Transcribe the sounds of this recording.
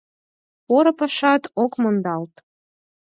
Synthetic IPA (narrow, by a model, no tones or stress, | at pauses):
poɾɤ̆pɤ̆ʃɑt̪okmond̪ɑlt̪